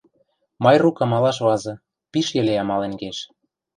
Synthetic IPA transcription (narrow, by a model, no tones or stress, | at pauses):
mɑjrukɑmɑlɑʃβɑzɤ̆ | piʃjĕleɑmɑleŋɡeʃ